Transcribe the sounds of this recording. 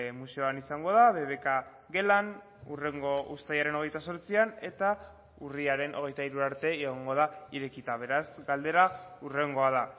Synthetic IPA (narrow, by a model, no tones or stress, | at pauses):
muse̞oanisaŋɡo̞ð̞aβe̞βe̞ka | ɡe̞lan | ure̞ŋɡo̞ʔust̪ajaɾe̞no̞ɣ̞e̞jt̪aso̞ɾt͡siane̞t̪a | uriaɾe̞nʔo̞̰ɣ̞e̞jt̪aiɾuaɾt̪e̞eɣ̞oŋɡo̞ð̞aiɾe̞kit̪aβ̞e̞ɾazɡald̪e̞ɾaure̞ŋɡo̞að̞a